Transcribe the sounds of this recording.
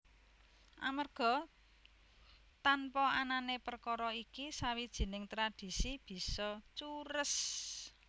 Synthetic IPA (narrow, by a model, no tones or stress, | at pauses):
ʔa̰mərɡ̥ɔ̤ | t̪anpɔananepərkɔɾɔikisawid̥ʒ̥i̤nɪŋt̪ɾad̥i̤sib̥i̤sɔt͡ʃuɾəs